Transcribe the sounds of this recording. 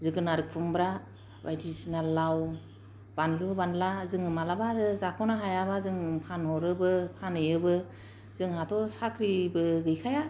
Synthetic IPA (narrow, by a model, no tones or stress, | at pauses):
zɯɡɯnaɾɯk̚pʰɯŋbɾa | ba̰jdisinalaw | b̥anlubɯbanlazɯŋɯmalabaɾɯzakʰɔnaɦajaβazɯŋpʰanɔɾɯbɯpʰanɯjɯbɯ | z̥ɯŋhatʰɔsakʰɾibɯɡɯjkʰaja